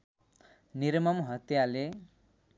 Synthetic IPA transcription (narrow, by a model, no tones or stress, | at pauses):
niɾmʌmɦʌt̪jale